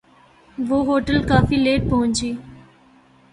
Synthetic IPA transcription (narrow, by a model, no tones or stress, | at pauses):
ʋoːɦoːʈəlkaːfiːleːʈ̚pɐɦʊ̃ɲt͡ʃiː